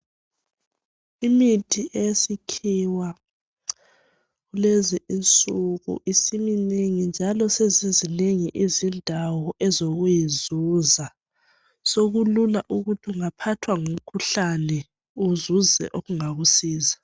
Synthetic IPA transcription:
imitʰiʔesikʰiwa | ɣuleziʔint͡sʼuɣṵʔisimineŋind͡ʒʱalɔsezizineŋiʔizindʱawɔʔɛzoɣujizuza | soɣululaʔuɣutʰiuŋapʰatʰwaŋum̩kʰuɬanɛ | uzuzɛ̰ʔoɣuŋaɣusiːza

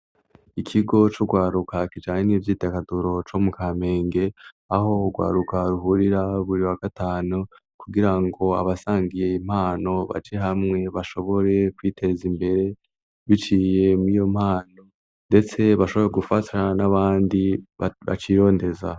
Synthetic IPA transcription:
ikʰiɡo̞t͡ʃoɡwaːɾukakid͡ʒaːŋenivjiːtekaduɾo̞t͡ʃomukʰaːme̞ːŋɡe̞ | aho̞ɡwa̰ːɾukaɾuɦuɾiɾaβuɾiwaɡ̥ataːnu | kuɡiɾaŋɡo̞a̰βasaːŋɡije̞im̥haːno̞βa̰d͡ʒeɦamŋe̞βaʃo̞βo̞ɾe̞kwiːtʰe̞ːzimbe̞ɾe̞ | βit͡ʃije̞muijo̞m̥haːno̞ | nde̞t͡se̞βaʃo̞βo̞ɾe̞ɡufatanaβaːndiβa̰t͡ʃiːɾo̞ːnde̞za

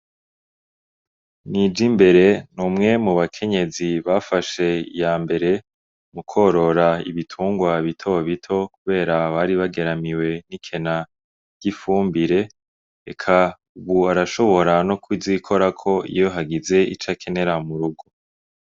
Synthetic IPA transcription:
nid͡ʒimbe̞ɾe̞numŋe̞muβakʰe̞ɲe̞ziβafaʃe̞ḭjaːmbe̞ɾe̞ | mukʰo̞ɾo̞ɾaḭβitʰuːŋɡwaβitʰo̞βitʰo̞kuβe̞ːɾaβaɾiβaɡe̞ɾamiwe̞nikʰe̞na | ɟ̥ifuːmbiɾe̞ | ḛkʰa | uβuaɾaʃo̞βo̞ɾanokʰwizikʰo̞ɾakʰo̞ḭjo̞ɦaɡize̞ḭt͡ʃakʰe̞ne̞ɾamuɾuɡo

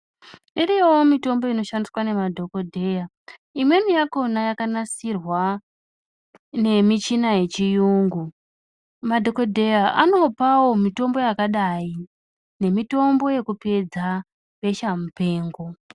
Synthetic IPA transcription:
iɾijewomito̞mbo̞ino̞ʃandiswane̞madʱo̞ko̞dʱe̞ja | imwe̞nijako̞najakanasirwa | ne̞mit͡ʃinaje̞t͡ʃijuːŋɡu | madʱo̞ko̞dʱe̞jaʔano̞pawo̞mito̞mbo̞jakaɗai | ne̞mito̞mbo̞je̞kupe̞d͡za | ɓe̞ʃamupe̞ːŋɡo̞

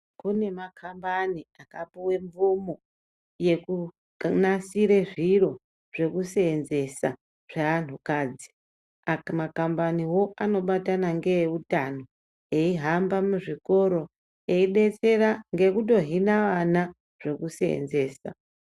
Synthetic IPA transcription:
kune̞makʰambaniakapiwe̞ɱvumo̞ | je̞ku | nasiɾe̞ʐiro̞ | ʐ̥e̞kuseːnze̞sa | ʐ̥eʋan̤ukaːd͡zi̥ | amakambaniwo̞ano̞ɓatanaŋɡe̞jeutano̞ | eiɦambamuʐiko̞ɾo̞ | e̞iɗe̞t͡se̞ɾaŋɡe̞kut̬o̞ɦinaʋana | ʐ̥e̞kuseḛnze̞ːsa̰

